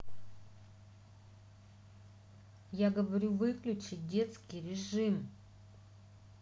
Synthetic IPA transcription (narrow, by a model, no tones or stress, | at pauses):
jaɡəvɐɾʲuvɨklʲʉt͡ɕɪt̚ʲdʲe̞t̪skʲɪjɾʲɪʐɨm